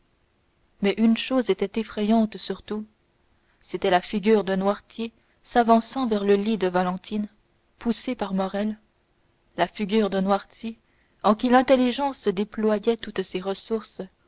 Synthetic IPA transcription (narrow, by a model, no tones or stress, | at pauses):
mɛʔynʃozet̪ɛt̪efχɛjɑ̃t̪syʁt̪u | set̪ɛlafiɡʲyːʁd̪ə̃nwaʁt̪je | savɑ̃sɑ̃vɛʁləlid̪əvalɑ̃t̪ʰin | pusepaʁmɔʁɛl | lafiɡʲyːʁd̪ə̃nwaʁt̪ʰje | ɑ̃kʲilɛ̃t̪elːiʒɑ̃səd̪eplwajɛt̪ut̪seʁəsuʁs